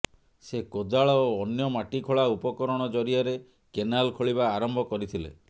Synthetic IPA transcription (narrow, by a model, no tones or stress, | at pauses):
sekod̪aɭɔoːnjɔmaʈikʰoɭaupɔkɔɾɔɽ̃ɔd͡ʒɔɾiaɾe | kenalkʰoɭiβaːɾɔmbʱɔkɔɾit̪ʰilḛ